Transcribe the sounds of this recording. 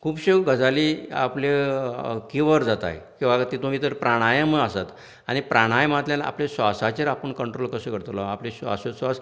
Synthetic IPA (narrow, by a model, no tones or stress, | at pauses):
kʰuːpɕeɡʱəd͡zaliːa̰ple | kiʋəɾd͡zat̪a̰ɦjkĩw̃ʋat̪it̪umit̪əɾpɾaɽ̃ajəməasat̪ | añipɾaɽ̃ajm̤at̪ljana̰plesʋasat͡ɕeɾapəɳkəɳʈɾolkəsəkəɾt̪lɔaplesa̰sosʋas